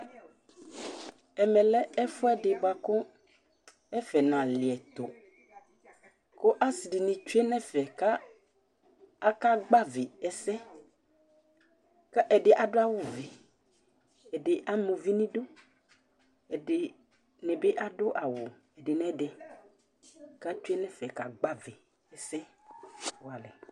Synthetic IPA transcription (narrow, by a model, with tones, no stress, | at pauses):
ɛ˨mɛ̃˨lɛ˦ɛ˦fʊ˦ɛ˦dɪ˨bʊ˨a˨kʊ˦ | ɛ˦fɛ˨nã˨lɪ˨ɛ˨t̪o̰˨ | kʊ˦ʔa˦si˨dɪ˨nĩ˨t͡ʃu˦e˦nɛ̃˦fɛ˨ka˦ | a˦ka˦ɡ͡ba˦vɪ˨ɛ˨sɛ˦ | ka˦ʔɛ˨dɪ˨ʔa˨dʊ˦a˦wʊ˨ve˨ | ɛ˨dɪ˨ʔa˦mũ˨vi˦nĩ˦do˦ | ɛ˨dɪ˨ | nɛ˨be˦ʔa˦dʊ˦ʔa˨wʊ˨ | ɛ˨dɪ˨nɛ̃˦dɪ˨ | ka˦t͡ʃu˦e˦nɛ̃˦fɛ˨ka˨ɡ͡ba˦ve˨ | ɛ˨sɛ˦ | wʊ˨˦a˨lɛ˨